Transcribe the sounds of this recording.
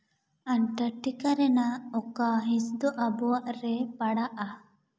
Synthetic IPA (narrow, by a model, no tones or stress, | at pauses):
anʈəʈːikaɾɛnaɔkaɦĩsd̪ɔʔabɔwaʔɾɛpaɽaʔa